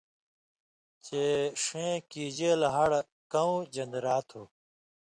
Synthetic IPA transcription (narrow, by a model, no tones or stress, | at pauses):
t͡ɕeːʂẽːkiːd͡ʑeːlɦɐɽ | kɐũd͡ʑɐ̃nd̪ɾaːt̪ʰoː